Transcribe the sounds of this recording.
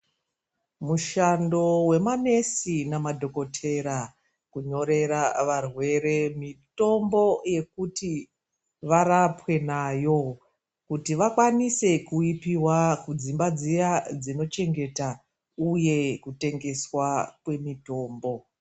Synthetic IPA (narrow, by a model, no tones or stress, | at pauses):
muʃando̞we̞mane̞sinamadʱo̞ko̞tʰe̞ɾa | kuɲo̞ɾe̞ɾaʋarwe̞re̞mito̞mbo̞je̞kuti | ʋaɾapwe̞naːjo̞ | kutiʋakwanise̞kuipiwakud͡zimbad͡zijad͡zino̞t͡ʃe̞ŋɡe̞ta | uje̞kute̞ŋɡe̞swakwe̞mito̞ːmbo̞